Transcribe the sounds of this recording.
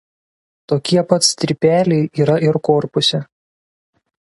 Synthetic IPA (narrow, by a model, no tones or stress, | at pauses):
t̪oːkʲiɛpɐt̪st̪ʲɾʲɪpʲæːlʲɛɪʔiːɾɐʔɪɾkɔːɾpʊsʲɛ